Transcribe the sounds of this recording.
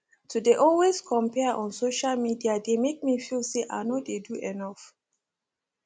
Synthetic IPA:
tʰudeʔɔlweskʰɔ̃mpɛʔɔ̃nsoʃalmidiademek̚mifilseʔa̰nodeduʔɛnaf

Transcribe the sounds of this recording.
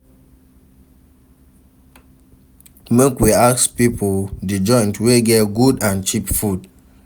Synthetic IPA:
mekwiakspipʰodid͡ʒɔ̃ɪ̃ntweɡɛtɡudãnt͡ʃipfud

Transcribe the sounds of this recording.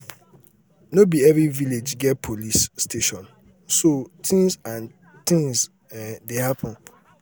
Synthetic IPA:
nobiɛviviled͡ʒɡɛt̚pʰolisːtʰeʃɔ̃n | sot̪ʰĩŋsãn | t̪ĩŋz | dehapʰɔ̃n

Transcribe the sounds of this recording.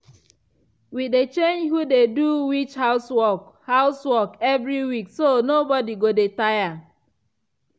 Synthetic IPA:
widet͡ʃẽnd͡ʒhudeduwit͡ʃhaʊswɔ | haʊswɔkɛvɹiwiksonobɔdiɡodetaja

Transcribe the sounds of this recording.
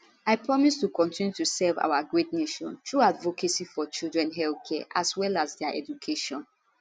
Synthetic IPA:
aɪpɹɔmistukɔ̃ntʰĩnjutusɛva̰ʊwaɡɹetneʃɔ̰̃ntʰɹuadvokesifɔt͡ʃilˠdɹɛ̃nɦɛlθkʰɛʔaswɛlasdɛaʔɛ̰d͡ʒukʰeʃɔ̃n

